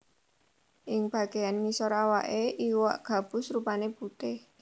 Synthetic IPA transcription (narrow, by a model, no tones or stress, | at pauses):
ʔɪŋb̥a̤ɡ̥ejanmisɔɾawa̰ʔeʔiwa̰ʔɡ̥a̤b̥ʊ̤srupaneput̪ɪh